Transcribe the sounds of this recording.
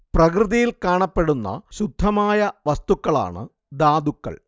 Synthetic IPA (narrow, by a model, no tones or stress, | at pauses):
prɐkrɨðɐjilkaːɳɐpːe̞ɽunːɐ̰ɕud̪ʱːɐmaːjɐʋɐst̪ukːɐɭa̰ːɳɨ̰ | d̪aːd̪ukːɐ̰ɭ